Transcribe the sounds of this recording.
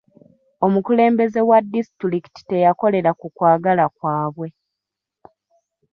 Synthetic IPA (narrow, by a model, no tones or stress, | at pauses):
o̞mukule̞ːmbe̞ze̞wadːisitiɾiki̥ti̥te̞jako̞le̞ɾakukwaːɡalakwaːβwe̞